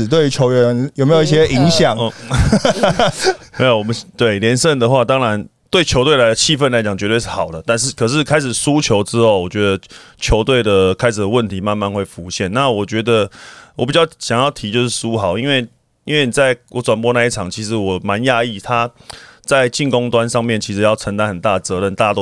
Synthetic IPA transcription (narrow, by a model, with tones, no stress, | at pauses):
t̪we˥˩ɪy˧˥t͡ɕʰjo˧˦ʊɥnjo˨ʊme˧˥jo˨˦i˥ɕjɛ˥ʔi˧˥ŋɕjɑ˨˩˦ŋ˧˩ | me˧˥o˨˩wɔ˨˩mə˦t̪we˥˩ɪljɛ˧˦nʂə˥˩nd̪ə˩˨xwa˥˧t̪ɑ˥ŋɻa˧˦nt̪we˥˩ɪt͡ɕʰjo˧˥ʊt̪we˥˩ɪla˧˥ɪd̪ə˧˩t͡ɕʰi˥˧fə˥˩nla˧˥ɪt͡ɕjɑ˨˩ŋt͡ɕɥɛ˧˥t̪we˥˧ʂɻ̩˥˩ɑ˨˩ʊd̪ə˦t̪a˥˧nʂɻ̩˥˩kʰɤ˨˩ʂ̬ɻ̩˥˩kʰa˥ɪʂɻ̩˨˩su˦t͡ɕʰjo˧˥ʊʈ͡ʂɻ̩˥ho˥˩ʊwɔ˨˩t͡ɕɥɛ˧˦˥d̪ə˧t͡ɕʰjo˧˥ʊt̪we˥˩ɪd̪ə˩kʰa˥ɪʂɻ̩˨˩d̪ə˩wə˥˨nt̪ʰi˧˥ma˥˧nma˥˧nxwe˥˩ɪfu˧˥ɕjɛ˥˨nna˥˨wɔ˨˩t͡ɕɥɛ˧˥d̪ə˧wɔ˨˩pi˨˩t͡ɕjɑ˥˩ʊɕjɑ˨˩ŋjɑ˥˩ʊt̪ʰi˧˥t͡ɕjo˥˧ʊʂ̬ɻ̩˥˩su˥xɑ˨˩ʊi˦˥nwe˥˩ɪ | i˥nwe˥˩ɪni˨˩t͡sa˥˩ɪwʔɔ˨˥ʈ͡ʂwa˨˩npwɔ˥na˥˧i˥˩ʈ͡ʂʰɑ˨˩ŋt͡ɕʰi˧˥ʂɻ̩˧˥wɔ˨˩ma˧˦nja˥˧i˥˩t̪ʰa˦t͡sa˥˧ɪt͡ɕi˥˨˩nko˥ŋt̪wa˦nʂɑ˥˧ŋmjɛ˥˩nt͡ɕʰi˧˥ʂ̩˧jɑ˥˩ʊʈ͡ʂʰə˧˥ŋt̪a˧˥nxə˨˩nt̪a˥˩ət͡sɤ˧˦ɻə˥˧nt̪a˥˧t̪o˥˧